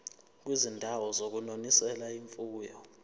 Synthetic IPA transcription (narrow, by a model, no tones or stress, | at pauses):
k̬wizindʱawɔzok̬unonisɛlaiɱfʼuːjɔ